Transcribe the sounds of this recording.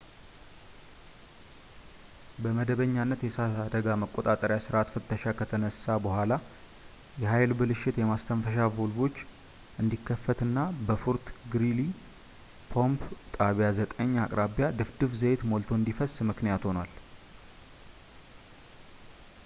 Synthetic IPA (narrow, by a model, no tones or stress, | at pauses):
bəməd̪əβəɲːanːət̪jɛsasad̪əɡaməkʼːot̪ʼat̪ʼəɾjasɨɾat̪fɨt̪ːəʃakʰət̪ʰənəsːabəhʷala | jɛɦajlbɨlɨʃɪt̪jɛmast̪ʰəmfəʃavulbo̞t͡ʃː | ʔɨnd̪ikʰːəfːət̪ɨnːabəfuɾt̪ɡɾili | pʰo̞mpt̪ʼaβjazət̪ʼəɲːakʼɾaβjad̪ɨfd̪ɨβzəjet̪mo̞lt̪ʰo̞ɨnd̪ifəsːmɨknijat̪ho̞nal